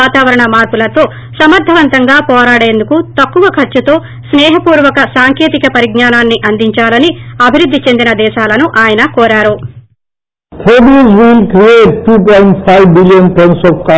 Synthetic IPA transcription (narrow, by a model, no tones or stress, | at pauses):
aːt̪aːʋɐɾɐɳɐmaːɾpulɐt̪o̞ː | sɐmɐɾd̪ʱɐʋɐnt̪ɐŋɡaːpɔːɾaːɽe̞ːnd̪ukut̪ɐkːuʋɐkʰɐɾt͡ʃut̪o̞ː | snɛːɦɐpuːɾʋɐkɐsaːŋkeːt̪ikɐpɐɾiɡnaːnaːnːiʔɐnd̪iɲt͡ʃaːlɐniɐbʱiɾud̪ʱːit͡ʃe̞nd̪inɐd̪ɛːʃaːlɐnuʔaːjɐnɐkoːɾaːɾu | pʰoːɖizʋilkɾieːʈ̚ʈʰuːpojɳʈpʰajʋbilijɐnpensɔːfka